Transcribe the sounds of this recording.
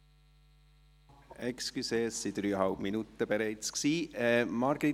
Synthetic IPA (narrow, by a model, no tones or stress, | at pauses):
ɛkskyseːsid̪̥ɾyːəhɑlpminut̪ːəb̥eɾɛɪt͡sksiːɛmɑɾɡɾi